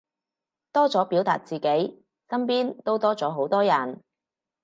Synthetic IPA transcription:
t̪ɔː˥t͡sɔː˨˥piː˨˥wt̪a̰ː˨t̚t͡siː˨˩ke˨˥j | kɐ˥mp̬iː˥nt̪o˥wt̪ɔː˥t͡sɔː˨˥ɦo˨˥wt̪ɔː˥jɐ˨˩n

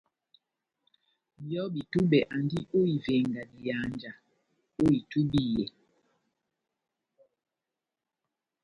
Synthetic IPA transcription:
jɔ˦bi˨tu˦ɓɛ˨ʔa˨ndi˦ʔo˦i˨ve˨ŋɡa˨di˨ja˨˦nd͡ʒa˨ | o˦i˨tu˦bi˦˨jɛ˨

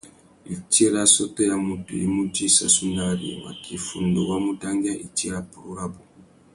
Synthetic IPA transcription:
i˨t͡ʃi˦ɾa˦sɔ˦tɔ˦ja˨mu˨tṵ˨ji˦mu˦ti˦sa˨su˦na˦ɾḭ˨wa̰˨kʰi˨fu˨ndɔ˨wa˦mu˦ta˦ŋɡi˦a˦ʔi˨t͡ʃi˦ɾa˨pu˨ɾu˦ɾa˦bu˨

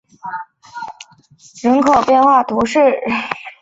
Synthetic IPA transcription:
ɻə˧˥nkʰo˨˩ʊpjɛ˥˧nxwa˥˩t̪ʰu˧˥ʂɻ̩˥˩

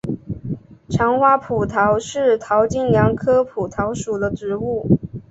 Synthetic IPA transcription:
ʈ͡ʂʰɑ˧˥ŋxwa˥pʰu˨˩t̪ʰɑ˧˥ʊʂɻ̩˥˩t̪ʰɑ˧˥ʊt͡ɕi˥˩njɑ˧˥ŋkʰɤ˥pʰu˨˩t̪ʰɑ˧˥ʊʂu˨˩d̪ə˦ʈ͡ʂɻ̩˧˥u˥˩

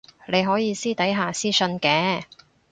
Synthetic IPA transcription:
le˨˧jɦɔː˨˥jiː˨˧siː˥t̪ɐ˨˥jɦaː˨siː˥sɵ˧nkɛː˨˥

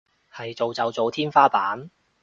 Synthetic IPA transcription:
hɐ˨jt͡so˨wt͡sɐ˨wt͡so˨wt̪ʰiː˥nfaː˥paː˨˥n

